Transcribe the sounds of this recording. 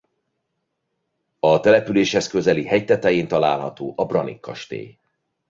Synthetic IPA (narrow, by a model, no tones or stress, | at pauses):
ɒt̪ɛlɛpyleːʃhɛskø̞zɛlihɛjt̪ɛt̪ɛjiːnt̪ɒla̰ːlɦɒ̰t̪oːʔɒbrɒnḭkːɒʃt̪ḛːj